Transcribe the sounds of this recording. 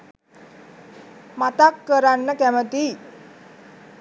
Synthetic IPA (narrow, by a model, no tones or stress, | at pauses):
mat̪akːəɾanːəkæmət̪i